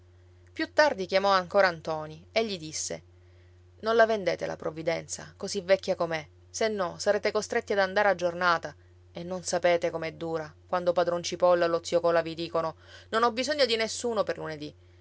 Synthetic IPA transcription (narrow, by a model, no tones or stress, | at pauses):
pjut̪ːard̪ikjamɔaŋkoːɾant̪ɔːnieʎːid̪isːḛ | nonlavend̪eːt̪ḛla̰pɾovːid̪ɛnt̪sa̰kozivːɛkʲːjakome | senːɔsaɾeːt̪ekost̪ɾet̪ːiad̪and̪aːɾead͡ʒornaːt̪a | enːonsapeːt̪ekomɛd̪ːuːɾakwand̪opad̪ɾont͡ʃipɔlːalot̪sjokɔːlavid̪iːkono | nonɔbːizoɲːod̪inesːuːnoperluned̪i